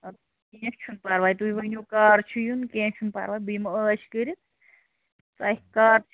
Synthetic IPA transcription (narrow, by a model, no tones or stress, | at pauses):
kiːɐ̃t͡ʃʰunpaːɾʋaːjt̪uiʋɐnʲuːkaːɾt͡ʃʰujunkẽːt͡ʃʰunpa̰ːɾʋaːjbɨjməəːt͡ʃʰkəɾi | t̪aːkaːɾt͡ʃʰ